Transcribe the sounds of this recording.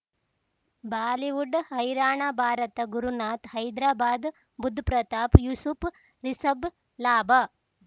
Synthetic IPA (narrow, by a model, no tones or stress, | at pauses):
bʱaːliʋuɖhɐjɾaːɳabʱaːɾɐt̪ɐɡuɾunaːt̪hɐjd̪ɾaːbaːd̪ | bud̪ʱːpɾɐt̪aːpjusup | ɾisɐb | laːbɐ